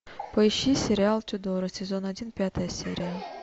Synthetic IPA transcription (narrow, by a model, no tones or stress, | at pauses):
pəjʃisʲeɾʲɪalˠt̪ʲud̪oɾɨsʲezʲonɐdʲinpʲat̪ɨjɐsʲḛɾʲija